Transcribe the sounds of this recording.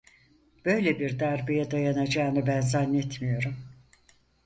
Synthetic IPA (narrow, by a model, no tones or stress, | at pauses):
b̥ø̞jlʲebiɾd̪æɾbijɛd̪ajanad͡ʒaːnɯbænzanːɛt̪ʰmijo̞ɾum